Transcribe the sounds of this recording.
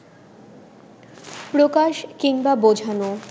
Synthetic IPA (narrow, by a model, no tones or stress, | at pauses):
pɾokaʃkiŋbabod͡ʑʱano